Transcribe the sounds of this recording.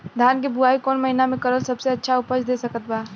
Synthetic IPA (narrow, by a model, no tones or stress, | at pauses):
d̪ʱaːnkebʊaːikɔːnmɐɦɪnamẽkɐɾəlsɐbseɐtːʃʰaʊpət͡ʃʰd̪eːsɐkət̪baː